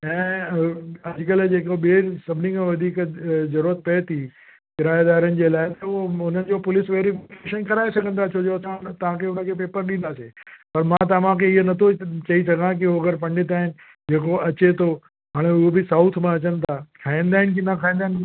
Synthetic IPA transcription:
ɛ̃ː | ɐd͡ʑkəld͡ʑeːkoɓesɐbʱɪnĩŋkʰãʋɐd̪ʱiːkzɐɾuɾət̪̚pɐet̪ʰi | kɪɾaːjd̪aːɾən̆d͡ʑelaːɪt̪əoʊn̤ənɪ̆d͡ʑopʊlɪsʋeːɾifʰkeːʃənkɐɾaːesɐɡʱə̃nd̪at͡ɕʰod͡ʑosãt̪ɐʋ̤ãkʰeʊnəkʰepeːpəɾɗĩnd̪asepɐɾmãt̪̬ɐʋãkʰeɪɦonɐt̪ʰot͡ɕɐisɐɡãk̬ioɐɡəɾpɐ̃ɳɖɪt̪aːɦɪnɪ̆ | d͡ʑeːkoɐt͡ɕet̪o | ɦaːɽ̃eʊɦobɪsaʊt̪ʰmãɐt͡ɕənt̪ʰakʰaːĩnd̪aːɦɪnk̬inɐkʰaːĩːnd̪aɦn

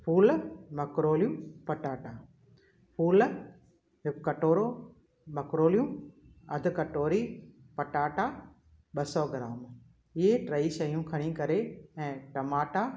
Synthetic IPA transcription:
pʰuːlmɐkɾoːljũpɐʈaːʈa | puːl | ɦɪkkːɐʈoːɾoː | mɐkɾoːlijũ | ɐ̰d̪ʱʊkɐʈoːɾiːpɐʈaːʈa | ɓɐsɔːɡɪɾaːm | ɪɦeʈɾɐiʃɐjũkʰɐɽ̃ĩkɐɾeɛ̃ːʈɐmaːʈa

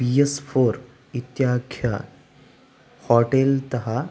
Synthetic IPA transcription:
bijesfoɾ | it̪jakʰja | hɔʈelt̪ɐɦa

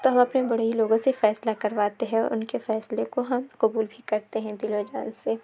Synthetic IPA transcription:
t̪oɦɐ̃mɐpnebɐɽeiloːɡõsefɛːslakɐɾʋaːt̪eɦɛ̃ɔ̰ɾʊ̰nkefɛːslekoɦɐmqʊbuːlbʱikɐɾt̪eɦɛ̃d̪ɪlod͡ʒaːnse

